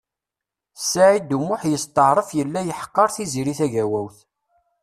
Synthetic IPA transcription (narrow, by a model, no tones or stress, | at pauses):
sːaʕid̪umʊħjəst̪əʕɾˤəfjəlːæjəħqːɑɾˤθiziɾiθæʝæwæwθ